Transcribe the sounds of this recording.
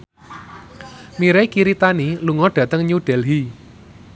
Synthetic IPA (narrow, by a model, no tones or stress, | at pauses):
miɾekiɾit̪aniluŋɔɖ̥ä̤t̪əŋɲuɖ̥ɛlɦi